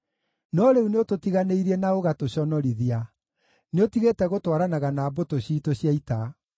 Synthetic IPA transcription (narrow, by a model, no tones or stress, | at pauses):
nɔɾeuneototiɣaneiɾiɛnaoɣatoɕɔnɔɾiðia | neotiɣetɛɣotwaɾanaɣanaːbotoɕiːtoɕjaita